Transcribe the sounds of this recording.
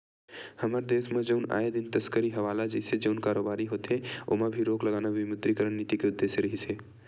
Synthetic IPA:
hɐmaːɾd̪eːsmẽd͡ʒəʊna̰ːed̪ɪnt̪əskəɾiɦɐʋaːlad͡ʒɛsed͡ʒəʊnkaːɾoːbaːɾiɦoːt̪eo̰ːmãbʱiɾoːklɐɡaːnaʋɪmʊd̪ɾikəɾənːit̪ikeʊd̪ːeːsəɾɐɦiseː

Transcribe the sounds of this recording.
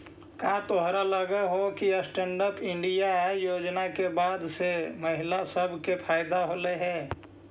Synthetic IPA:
kaːt̪oɦɾaləɡəɦokiəsʈẽɳɖəɾpɪ̃ɳɖijajoːd͡ʒnakebaːd̪seməɦɪlasəbʱkepʰaːjd̪aɦoːleɦɛ̃ː

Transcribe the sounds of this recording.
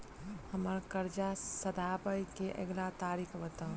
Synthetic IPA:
həməɾkəɾd͡ʒasəd̪ʱaːbəjkeʔə̰ɡlat̪aːɾiːkʰbət̪ã

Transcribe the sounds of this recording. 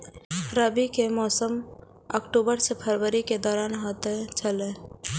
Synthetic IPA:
ɾəbikemɔːsəm | əkʈubəɾsepʰəɾwəɾiked̪ɔːɾaːnɦot̪et͡ʃʰəle

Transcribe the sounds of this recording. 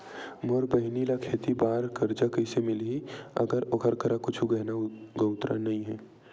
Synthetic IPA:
moɾbəɦɪnilakʰeːt̪ibaːɾkəɾd͡ʒakəsemɪlɦiə̰ɡəɾokʰəɾkʰəɾakʊt͡ʃʰuɡɐɦnaɡəʊt̪ɾa̰nɐɦĩɦɛː

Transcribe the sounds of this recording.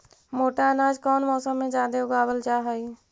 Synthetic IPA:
moːʈaənaːd͡ʒkɔːnmɔːsəmːẽd͡ʒaːd̪eʊɡaːbəld͡ʒaːɦai

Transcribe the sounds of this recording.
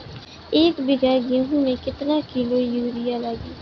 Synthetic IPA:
ɪːkbɪɡaːɡẽɦũːmẽːkɪt̪nãːkɪloːjuːɾɪjaːlaːɡiː

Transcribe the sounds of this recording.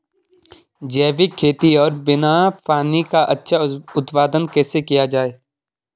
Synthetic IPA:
d͡ʒɛːʋɪkʰːeːt̪iɔːɾbɪnapaːnikaʔɐtːʃʰaʊt̪paːd̪ənkɛːsekijad͡ʒaːeː

